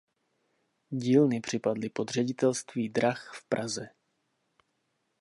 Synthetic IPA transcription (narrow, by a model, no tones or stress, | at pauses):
ɟiːlnɪpr̝̥ɪpadlɪpo̞d̪r̝ɛɟɪt̪ɛlst̪viːd̪ɾaxfpɾʔazɛ